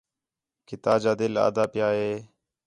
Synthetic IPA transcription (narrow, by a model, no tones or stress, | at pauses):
kɪt̪aːd͡ʒaːd̪ɪla̰ːd̪aːpɪjaːɦeː